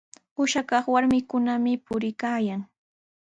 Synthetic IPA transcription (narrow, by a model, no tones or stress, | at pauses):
ʊʃakɑχwaɾmɪkʊnamɪpʊɾɪkaːjaŋ